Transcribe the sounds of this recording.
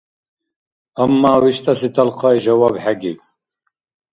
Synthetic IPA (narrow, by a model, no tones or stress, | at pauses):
amːaːwiʃt̪ʼasit̪ʰʼalqʰɑːiʒawaːbħaɡiw